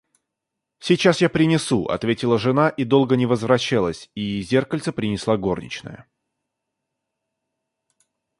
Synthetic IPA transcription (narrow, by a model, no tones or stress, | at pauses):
sʲɪt͡ɕasjapɾʲɪnʲɪsuʔɐ̰t̪vʲetʲɪlˠəʐɨnaʔid̪o̞lˠɡənʲɪvəzvɾɐɕːalˠəsʲizʲe̞rkəlʲt̪səpɾʲɪnʲɪslˠaɡo̞rnʲɪ̰t͡ɕnə̰jə̰